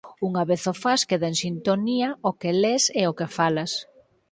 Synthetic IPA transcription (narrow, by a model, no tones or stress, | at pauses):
uŋaβeθofaskeðensint̪oniaokeleseokefalas